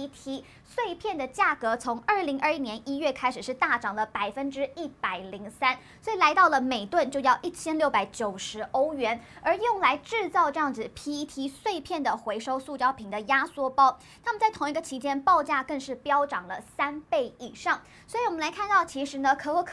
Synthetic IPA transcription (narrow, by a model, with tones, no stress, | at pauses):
t̪ʰi˧˥ | swe˥˧ɪpʰjɛ˥˩nd̪ə˩t͡ɕja˥˩kɤ˧˥t͡sʰʊ˧˥ŋə˞˥˩li˧˥ŋʔə˞˥˧i˥njɛ˧˥nʔi˥ɥɛ˥˩kʰa˥ɪʂɻ̩˨˩ʂɻ̩˥˧t̪a˥˩ʈ͡ʂɑ˨˩ŋlə˦pa˨˩ɪfə˥nʈ͡ʂɻ̩˥i˥˩pa˨˩ɪli˧˥ŋsa˥n | swɔ˧˥i˨˩la˧˥ɪt̪ɑ˥˩ʊlə˩me˨˩ɪt̪wə˥˧nt͡ɕjo˥˧ʊjɑ˥˧ʊʔi˥˩t͡ɕʰjɛ˥nljo˥˩ʊpa˧˥ɪt͡ɕjo˨˩ʊʂɻ̩˧˥o˥ʊɥɛ˧˥n | ə˞˧˥jʊ˥˩ŋla˧˥ɪʈ͡ʂɻ̩˥˧t͡sɑ˥˧ʊʈ͡ʂɤ˥˧jɑ˥˩ŋd͡z̩˨˩pʰi˥t̪ʰi˥swe˥˧ɪpʰjɛ˥˩nd̪ə˩xwe˧˥ɪʂo˥ʊsu˥˩t͡ɕjɑ˥ʊpʰi˨˩ŋd̪ə˦ja˥swɔ˥pɑ˥ʊ | t̪ʰa˥mə˨nt͡sɪt̪ʰʊ˧˥ŋi˧˥ɡə˧t͡ɕʰi˧˥t͡ɕjɛ˥npɑ˥˧ʊt͡ɕja˥˧kə˥˧ŋʂɻ̩˥˩pjɑ˥ʊʈ͡ʂɑ˨˩ŋlə˦sa˥npe˥˩ɪi˨˩ʂɑ˥˩ŋ | swɔ˧˥i˧˥wɔ˨˩mə˦nla˧˥kʰa˥˧nt̪ɑ˥˩ʊt͡ɕʰi˧˥ʂɻ̩˧˥nə˧kʰɤ˧˥wə˥˩kʰ